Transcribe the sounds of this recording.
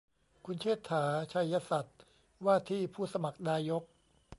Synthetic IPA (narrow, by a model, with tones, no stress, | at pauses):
kʰu˧nt͡ɕʰeː˥˩t̪ʰːaː˩˦t͡ɕʰa˧jːa˧sa˨˩t̪̚ | waː˥˩t̪ʰiː˥˩pʰuː˥˩sa˧ma˨˩k̚naː˧jo˦˥k̚